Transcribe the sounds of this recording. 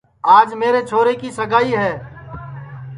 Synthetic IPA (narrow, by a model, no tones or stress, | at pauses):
aːd͡ʒmeːɾet͡ʃʰoːɾekisəɡaːiɦɛː